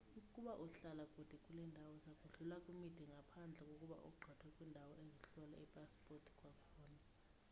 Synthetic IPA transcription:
ukʼuɓaʔuɬalakʼud̥ʱɛkʼulɛndʱawɔsakʼuɮulakʼumid̥ʱɛŋʱapʰand͡ɮʱɛkʼokʼuɓa̰ʔṵɡ͡ǃʱatʰwɛkʼwindʱawɔʔeziɬɔla̰ɛpʼaspʼɔrtʰi̥kʼwakʰɔːna

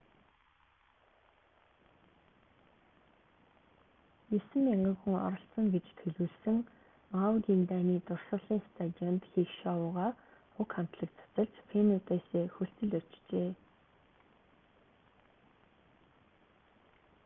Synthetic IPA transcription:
jesɘ̆mːaɴɢə̆kxŭŋɔ̰ɾɞ̆ɬsɞ̆ŋɡet͡ɕt̪ʰɵɮuːɮsɘ̆ŋ | awt̪int̪aːniːt̪ʊrsə̆ɮiːŋst̪ʰat̪iɔnt̪xiːxʃɔʊːʁaːχʊkχam̥t̪ɮə̆k̚t͡sʰḁt͡sə̆ɮt͡ɕpʰenat̪eːseːxɵɬt͡sɘ̆ɮʊ̥t͡ɕt͡ɕeː

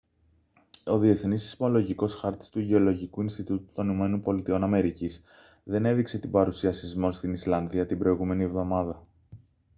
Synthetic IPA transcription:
o̞ðie̞θnisi̥zmo̞lo̞ʝiko̞sxɐɾt̪i̥st̪uʝeo̞lo̞ʝikuinst̪it̪ut̪u̥t̪o̞niume̞no̞npo̞lit̪io̞nɐme̞ɾicis | ðe̞ne̞ðikse̞t̪ibɐɾusiɐsizmo̞st̪inislɐnðiɐt̪ibɾo̞iɣume̞nievðo̞mɐðɐ

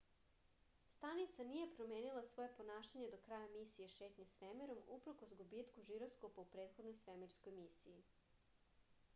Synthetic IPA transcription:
st̪anit̪sanije̞pɾo̞meːnilˠasʋo̞je̞po̞naːʃaɲed̪okɾajamisijeʃe̞ːt̪ɲesʋemeɾo̞mupɾ̩ko̞sɡubiːt̪kuʒiɾoskopaupɾe̞ːt̪xod̪nojsʋemeɾsko̞jmisiji

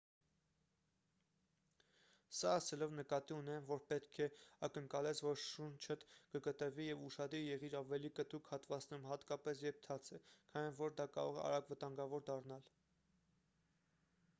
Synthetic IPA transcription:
sɑɑsɛlɔvnəkɑt̪iunɛnvɔɾpɛt̪kʰɛɑkəŋkɑlɛt͡sʰvɔɾʃunt͡ʃʰət̪kəkət̪əvijɛvuʃɑd̪ijɛʁiɾɑvɛlikət̪ukʰhɑt̪vɑt͡snɛɾumhɑt̪kɑpɛsjɛp̚t̪ʰɑt͡sʰɛkʰɑnvɔɾd̪ɑkɑ̰ɾɔ̰ʁɛɑ̰ɾɑɡvət̪ɑŋɡɑvɔɾd̪ɑrnɑl

